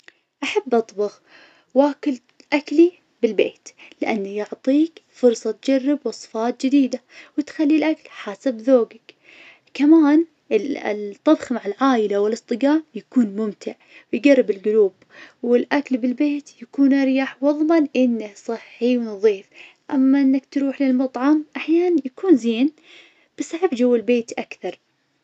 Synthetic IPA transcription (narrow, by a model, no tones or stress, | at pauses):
ʔaħabːʔɑt̪ˤbɑɣ | waːkɪl | ʔakli | bɪlbeːt̪lɪʔanːajʊʕt̪ˤiːkfʊɾˤsˤɑt̪d͡ʒarːɪbwɑsˤɨ̥fɑːt̪̚d͡ʒɪd̪iːd̪awɪt̪xalːilʔaklħaːsabðoːɡak | kamaːn | t̪ˤːɑbxmaʕɪlʕaːjɪlawɪlɨsˤt̪ˤɨɡaːmjakuːnmʊmt̪ʰɪʕwɪjɡarːɪbɪlɡʊluːb | wɪlʔaklbɪlbeːt̪jakuːnʔɪɾjaːħwɑðˤmɑnʔɪnːasˤɨħːiwnðˤiːf | ʔamːaʔɪnːakt̪ɾuːħlɪlmɑt̪ˤʕɑmʔaħjaːnanjakuːnziːn | b̥ɪsaʕabd͡ʒawːɪlbeːt̪ʔakθɑɾˤ